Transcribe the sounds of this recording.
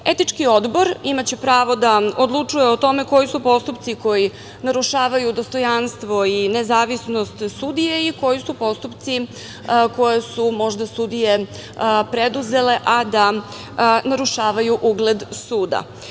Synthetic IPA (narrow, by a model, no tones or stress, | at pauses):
e̞t̪it͡ʃkio̞d̪bo̞ɾimat͡ɕe̞pɾaːʋo̞d̪aod̪lˠut͡ʂuje̞ot̪o̞me̞ko̞jisupo̞st̪upt̪siko̞ji | naɾuʃaːʋajud̪o̞st̪o̞janst̪ʋo̞inezaːʋisno̞st̪sud̪ijeiko̞jisupo̞st̪upt̪si | ko̞jesumo̞ʒd̪asud̪ije | pɾed̪uze̞leʔad̪a | naɾuʃaːʋajuʔuɡled̪suːd̪a̰